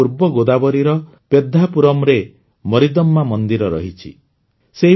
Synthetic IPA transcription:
uɾbɔɡod̪abɔɾiɾɔ | ped̪ʱapuɾɔmɾe | mɔɾid̪ɔmːamɔnd̪iɾɔɾɔ̰ɦit͡ʃʰḭ | seɦi

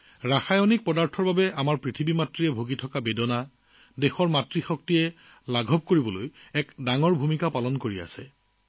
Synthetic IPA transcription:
ɹaxajɔnik̚pɔdaɹtʰɔɹbabɛamaɹpɹitʰibimatɹijɛbʱoɡitʰɔkabedɔna | dexɔɹmatɹixɔk̚tijɛ | laɡʱɔp̚koɹibɔlojɛkdaŋɔɹbʱumikapalɔnkoɹia̰sɛ

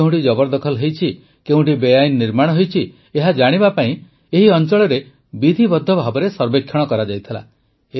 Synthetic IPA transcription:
ũʈid͡ʒɔbɔɾd̪ɔkʰɔlɦejt͡ʃʰi | keũʈibejajnːiɾmaɽ̃ɔɦejt͡ʃʰi | eɦad͡ʒaɽ̃ibapaĩ | eɦiɔnt͡ʃɔɭɔɾe | bid̪ʱibɔd̪ʱːɔbʱabɔɾesɔɾbekʰːjɔɽ̃ɔkɔɾad͡ʒajt̪ʰila̰ | e

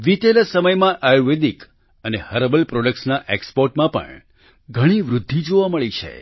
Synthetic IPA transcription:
ʋit̪elasəməjmãʔajuʋed̪ik | ənehəɾəbəlpɾoɖək̚ʈsnaʔekspoɾʈmãpə̰ɳ | ɡʱəɽ̃iʋɾʊd̪ʱːid͡ʒoʋaməɭit͡ʃʰḛ

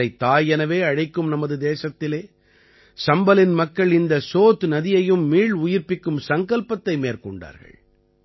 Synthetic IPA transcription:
ɐɪt̪ːaːjɛnɐʋeːɐɻɐɪkːɯmnɐmɐðɯd̪eːsɐt̪ːɪleː | sɐmbɐlɪnmɐkːɐɭɪnd̪ɐsoːt̪nɐðɪjɐjɯmːiːɭʊjɪɾpɪkːɯmsɐŋɡɐɭpɐt̪ːɐɪmeːɾkɔɳɖa̰ːɾɣɐ̰ɭ

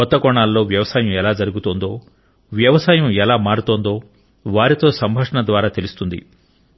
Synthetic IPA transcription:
ɔt̪ːɐkɔːɳaːlːo̞ːʋjɐʋɐsaːjɐmɛlaːd͡ʒɐɾuɡut̪oːnd̪o̞ː | ʋjɐʋɐsaːjɐmɛlaːmaːɾut̪oːnd̪o̞ː | ʋaːɾit̪o̞ːsɐmbʱɐkʂɐɳɐd̪ʋaːɾaːt̪e̞lust̪und̪ḭ

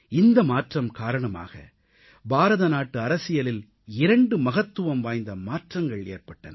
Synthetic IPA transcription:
ɪnd̪ɐmaːʈrɐmkaːɾɐɳɐma̰ːɣɐ̰ | baːɾɐðɐnaːʈːɯɐɾɐsɪjɐlɪl | ɪɾɐɳɖɯmɐɣɐt̪ːɯʋɐmʋaːjnd̪ɐmaːʈrɐŋɡɐɭeːrpɐʈːɐnɐ

